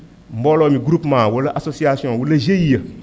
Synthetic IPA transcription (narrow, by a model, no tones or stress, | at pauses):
m̩bɔlɔmĩɡɾupmãwoləʔasosiasɔ̃woləʒejiə